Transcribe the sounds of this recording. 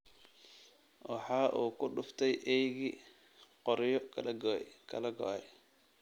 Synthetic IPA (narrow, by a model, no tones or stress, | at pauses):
wɑħɑːʔuːkʰʊɖʊft̪ʰɛjʔɛjɣi | qɔɾjɔ | kʰɐlɐɡɔɛ̰j